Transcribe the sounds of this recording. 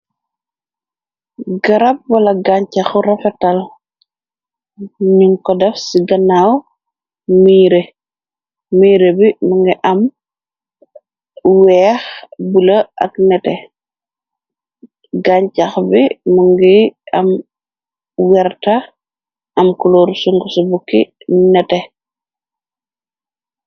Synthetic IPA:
ɡɐɾɐp̚wɐlɐɡaɲcaxuɾɐfɛtɐl | ɲuŋkɔdɐfsiɡɐnaw | miːɾe | miːɾebimuŋɡiʔɐm | wɛːxbulɐʔɐ̰knɛtɛ | ɡaɲt͡ʃaxbimuŋɡiɐm | wɛrta | ɐmkuloːɾsuŋɡɔsubukːinɛtɛ

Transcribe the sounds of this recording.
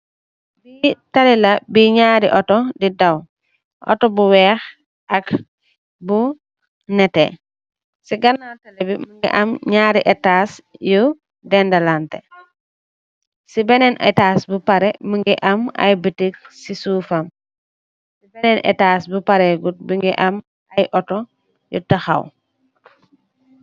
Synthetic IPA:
bitalilɐbiɲaːɾiʔɔtɔdidaw | ʔɔ̰tɔbuwɛːx | ɐk | bu | nɛtɛ̰ | siɡɐnatɐlɛbimuŋɡḭʔɐmɲaːɾiʔɛtasju | dɛndɐlantɛ̰ | sibɛnɛnʔɛ̰taːsbupɐɾɛmuŋɡɛʔɐmɐ̰jbətik̚sisuːfɐm | sibɛnɛnʔɛ̰taːsbupɐɾɛɡut̚biŋɡɛʔɐm | ɐjʔɔtɔ | jṵtɐxɐ̰w

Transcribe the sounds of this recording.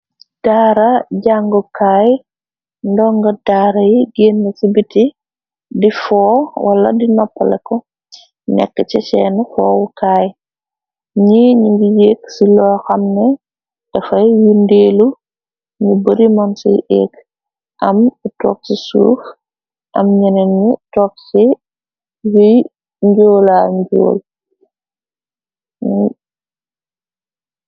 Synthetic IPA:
d̥aːɾɐɟaŋɡɔkaːj | ndɔŋɡɐdaːɾɐjiɡeːnːɐsibiti | difɔːwʔɐlɐdinɔpːɐlɛkɔ | nɛ̰kːət͡ʃɐt͡ʃɛːnfɔːwukaːj | ɲiɲuŋɡijeːksilɔːxɐmnɛ | dɐfɐjjundeːlu | ɲubəɾimɔnsɛ̰jʔɛ̰ːk | ʔɐmtɔ̰ːk̚sisṵːf | ʔɐmɲɐnɛɲutɔk̚si | juj | ɲɟoːlaɲɟo̰ːl

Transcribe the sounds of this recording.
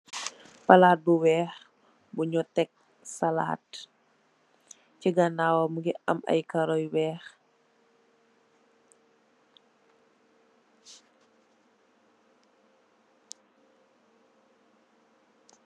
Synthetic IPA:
pɐlaːt̚buwɛːx | buɲɔtɛk̚ | sala̰ːt | ciɡanaːwɐmuɡiʔɐ̰mɐ̰jkɐɾɔjwɛːx

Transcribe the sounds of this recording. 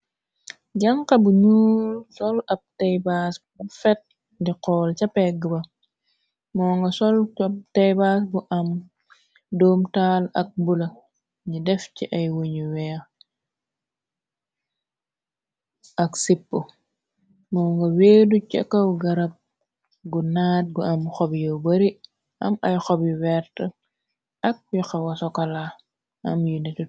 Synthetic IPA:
ɟɐŋkɐbuɲuːlsɔlɐp̚tɛjbasbbufɛt̚ | diqɔːlcɐpɛɡəbɐ | mɔːŋɡɐsɔlap̚tɛjbas̬buʔɐm | dɔːmtaːlɐ̰k̚bulɐ | ɲidɛfciʔɐjwuɲiwɛː | ʔɐksipːu | mɔːŋɡɐweːducɐ̰kːɐwɡɐɾɐp̚ | ɡunaːt̚ɡuʔɐmxɔbjɐwbɐɾi | ʔɐ̰mɐjxɔbjuwɛɾtɐ | ʔɐk̚juxɐwɐsɔkɐla | ʔɐmjunɛtu

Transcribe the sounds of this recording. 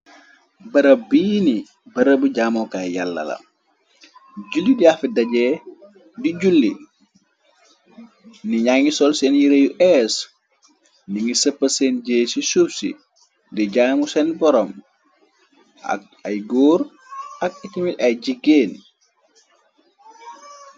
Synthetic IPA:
bɐɾəbiːni | bɐɾəbuɟamɔkajalːɐ̰lɐ̰ | ɟulːidiafidɐɟɛː | diɟulːḭ | niɲaŋisɔlsɛnjiɾejuʔɛs | niŋisəpːɐsɛnɟeːsisupsḭ | diɟaːmusɛnbɔɾɔm | ʔa̰k̚a̰jɡoːɾ | ak̚itimitɐjd͡ʒiɡeːn

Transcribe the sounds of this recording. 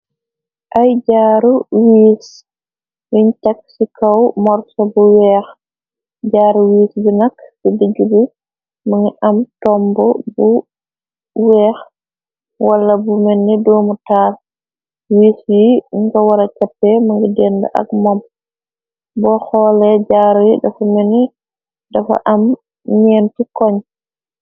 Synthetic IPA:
ʔajɟaːɾuwiːs | miɲtɐksikɐwmɔrsɔbuwɛːx | ɟaːɾuwiːsbinɐkːsidəɡubi | maŋiʔɐmtɔmbɔbu | wɛːx | walːabumenːidɔmutaːl | wisjiŋkawaɾat͡ʃapːɛmaŋɡɛdɛnda̰ʔa̰kmɔm | bɔhɔːlɛd͡ʒaːɾɔjidafameni | dafa̰ʔam | ɲentikɔɲ

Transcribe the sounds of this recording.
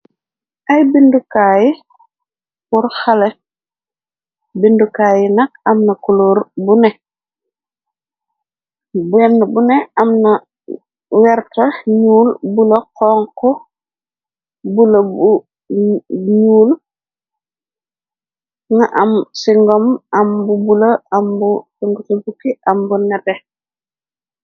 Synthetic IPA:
ʔɐjbindukaːji | kuɾxale | bindukaːjinɐk̚ɐmnɐkuluɾbunɛ | bɛnːbuneɐmnɐ | wɛɾtɐɲuːlbulɐkɔːŋkɔ | bulɐbu | ɲuːl | ŋaʔamsiŋɡɔmambubulɐambusiŋɡutibukiʔɐmbunɛpe

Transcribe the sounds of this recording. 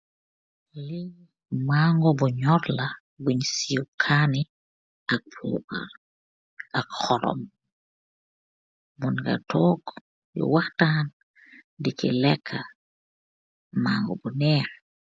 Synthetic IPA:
li | maŋɡɔbɔɲɔɾla | buɲsiukʰani | ak̚pɔ̰ba̰l | akxɔɾɔ̰m | mɔnɡa̰tʰɔːɡ | jɔ̰waxtaːn | dikḭlɛkʰːa | maːŋɡɔ̰bunɛːɾ

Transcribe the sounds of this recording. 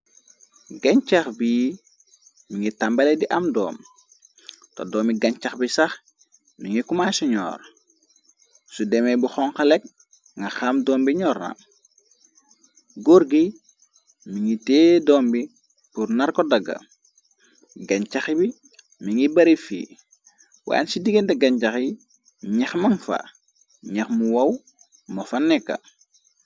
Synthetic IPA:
ɡɐɲt͡ʃaxbi | miŋitambɐlediʔɐmdɔ̰ːm | to̰dɔːmiɡɐɲt͡ʃɐxbisɐx | miŋikumasɔɲɔ̰ːɾ | sudemebuxɔŋxɐlek̚ | ŋɡɐxamdɔːmbiɲɔːɾnɐ̰ | ɡoɾɡi | miŋiteːdɔːmbi | puɾnɐɾkɔdɐɡɐ̰ | ɡɐɲt͡ʃaxibi | miŋibɐɾifḭː | wa̰ːnsidiɡendɛɡɐɲcɐxi | ɲɛxmɐŋfa̰ | ɲɐxmuwɐw | mɐfɐnːɛkːɐ̰

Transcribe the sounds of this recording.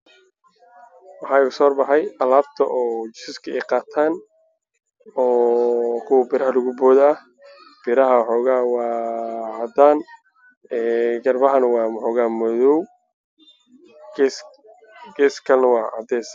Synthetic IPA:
wɑħɑːɪɣʊsɔːrbɑħɑjɐlaːbt̪ʰɐʔɔːt͡ʃɪsɪskʰɐɛjqɑːt̪ʰaːn | ɔːkʰʊwɐbɪɾɐɦɐlʊɣʊbɔːðɐ | b̥ɪɾɐɦɐħɔːɣaːwɑːhɐd̪aːn | ɛːɡɐrbɐɦɐnɐwɑːħɔːɣaːmɔðɔw | ɡɛːskʰɐlnɐwɑːʕɑ̰d̪ɛːsɐ

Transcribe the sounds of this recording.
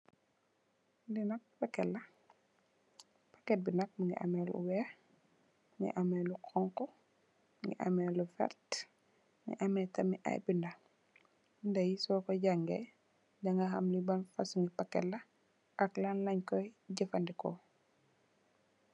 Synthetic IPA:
ndinɐk̚pɐkːɛlːɐ | pakɛt̚binɐk̚muŋɡḭʔa̰mɛlṵwɛ | ŋḭʔamɛlukʰɔŋkɔ | ŋɡḭʔa̰mɛlufɛ̰ɾt | ŋḭʔɐmɛːtɐmiʔa̰jbindɐ | ndɐjisɔkɔɟaŋɡɛ̰ | daŋɡɐɦamlibanfasuŋɡipakːɛlːɐ | ʔɐklanlɐɲkɔjɟəfɐndikɔ̰

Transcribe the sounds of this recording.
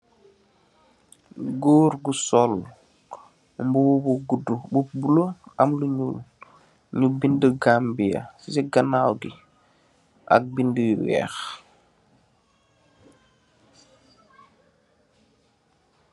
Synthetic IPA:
ɡoːɾɡusɔl | mbuwbuɡudububuloɐmluɲul | ɲubindəɡaːmbijɐ̰sisɛɡanawɡi | ʔɐ̰k̚bindəwɛ̰ːx

